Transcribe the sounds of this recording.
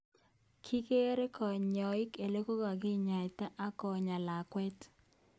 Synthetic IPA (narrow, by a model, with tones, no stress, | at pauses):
kʰi˦ke˦ɾe˦kɔ˨ɲɔ˨ɪ˦ke˨le˦ko˦ɡa˨ɡɪ˦ɲa˨ta˦ʔa˦kɔ˨ɲa˨la˨kwɛ˦t